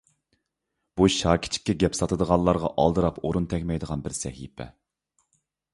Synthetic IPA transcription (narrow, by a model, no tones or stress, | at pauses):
b̥uʃɑːkʲʰi̥t͡ʃʰːi̥kʲːɛɡʲɛpsɑt̪ʰɨd̪əʁɑnlˠːɑɾʁɑʔɑ̰lˠd̪ɨɾɑpoɾunt̪ʰɛkʲmɛjd̪əʁɑnbɪɾsɛ̰hḭpʰɛ̰